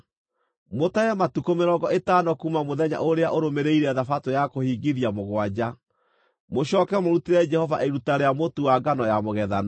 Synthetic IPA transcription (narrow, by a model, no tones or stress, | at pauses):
motaɛmatukomeɾɔɡɔetaːnɔkumamoðɛɲa̰ʔoɾeaʔoɾomeɾeiɾɛðafatojakohiːɡiðiamoɣwad͡ʑa | moɕɔkɛmoɾuteɾɛd͡ʒɛhɔva̰ʔeɾutaɾeamotuwaɡanɔjamoɣɛðana